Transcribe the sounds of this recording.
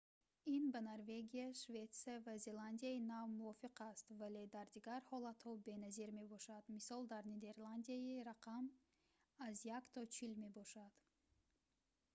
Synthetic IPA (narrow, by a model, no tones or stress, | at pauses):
inbanaɾve̞ɡiaʃve̞t̪siavaze̞land̪ijainavmuɔfiqast̪vale̞d̪aɾd̪iɡaɾhɔlat̪hɔbe̞naziɾme̞bɔʃad̪misɔlˠd̪aɾned̪e̞ɾland̪ijaiɾaqʰam | azjakt̪ʰɔt͡ʃʰilme̞bɔʃad̪̥